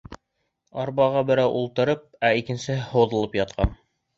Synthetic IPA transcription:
ɑɾbɑʁɑbɘ̆ɾæwʔulˠt̪ɤ̆ɾɤp̚æikɘ̆nsɘhŏwðɤ̆lˠɤpjɑt̪̚qʰɑn

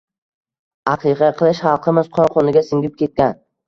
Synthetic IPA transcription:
ɑqʰɨqʰɑqʰɨlˠɪʃχɑlˠqʰɨmɪzqʰɒnqʰɒnɪɡʲasɪŋɡʲɪp̚kʲe̞t̪̚kʲan

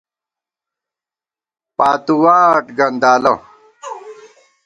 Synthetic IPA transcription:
paːt̪uwaːʈɡɐnd̪aːlɐ

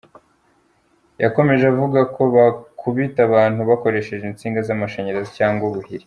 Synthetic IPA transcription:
jako̞me̞ʒeavuɡako̞βakʰuβitaβaːn̥huβako̞ɾe̞ʃe̞ʒint͡siːŋɡazamaʃeɲeɾezicaːŋɡwuβuhiɾi

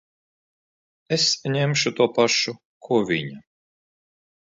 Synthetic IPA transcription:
esɲɛmʃut̪uɔpaʃu | kʰuɔvʲḭɲa

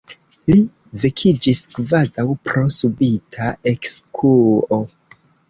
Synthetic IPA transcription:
li | vekʰid͡ʒiskvazawpɾo̞subitʰae̞kskʰuo

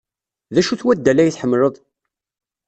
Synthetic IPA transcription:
ðæʃuθwæd̪ːælæjəθħəmːɾəðˤ

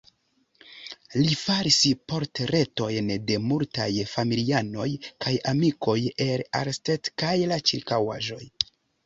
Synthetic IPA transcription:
lifaɾispo̞ɾtɾe̞to̞jnde̞multajfamiliano̞jkʰajamiko̞je̞la̰ɾstetkajlat͡ʃiɾkawaʒo̞j

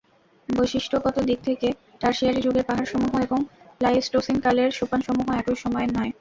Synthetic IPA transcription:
bojʃiʃʈʰoɡɔt̪od̪ik̚t̪ʰeke | ʈaɾʃiaɾid͡ʑuɡeɾpaɦaɾʃɔmuɦoeboŋplajesʈosinkaleɾʃopanʃɔmuɦoɛkojʃɔmɔenɔe

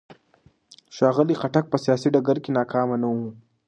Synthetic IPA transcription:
ʃɑːɣəliqaʈak̚pəsijasiɖaɡaɾkenɑkʰɑːmanawu

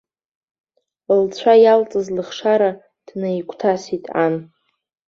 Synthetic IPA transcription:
lt͡ɕʷʰajalt͡sʼɨzlɨχʂaɾa | d̥najkʷʰʼtʰasitʼa̰n

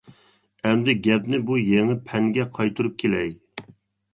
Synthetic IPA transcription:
ɛmd̪ɪɡʲɛpnɪbujeŋɪpʰɛŋɡʲɛqʰɑjt̪ʰuɾup̚kʲʰelɛj

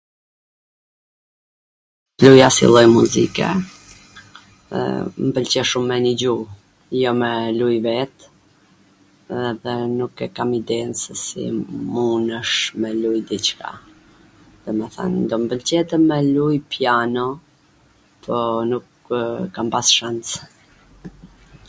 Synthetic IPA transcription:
lujasḭlˠɔjmuzikɛ̰ | ɛ̰mbəlt͡ɕɛʃumːɛnid͡ʑu | jɔmɛlujvɛt̪ | ðɛnukɛkamid̪ɛnsəsḭmunəʃmɛlujd̪it͡ʃka̰ | d̪ɔmɛθa̰nnd̪ɔmbəlt͡ɕɛt̪ɛmɛlujpijanɔ | pʰɔnuk | kampasʃant͡s

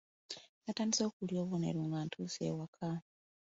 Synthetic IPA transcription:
nataːndiso̞ːkuljo̞ːβunḛɾuːŋɡantʰusḛwakʰa

